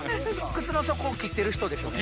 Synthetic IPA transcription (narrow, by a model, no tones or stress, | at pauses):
kɯ̟t͡sɨno̞so̞koːkʲit̪ːe̞ɾɯ̟çi̥t̪o̞d̪e̞sɨ